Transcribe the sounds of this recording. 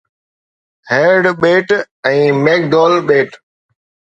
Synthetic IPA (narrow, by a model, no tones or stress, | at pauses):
heːɾɖɓeːʈ | ɛ̃ːmeːk̚ɖ̪ɔːlɓeːʈ